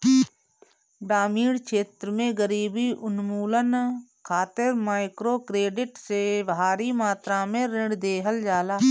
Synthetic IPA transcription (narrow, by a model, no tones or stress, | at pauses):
ɖaːmiːɽkʃeːt̪ɾəmẽɡəɾiːbiʔʊnmuːlənkʰaːt̪ɪɾmaːɪkɾokɾeːɖɪʈseʋɦaːɾimaːt̪ɾamẽɾɪ̃ɖd̪eːɦəld͡ʒaːlaː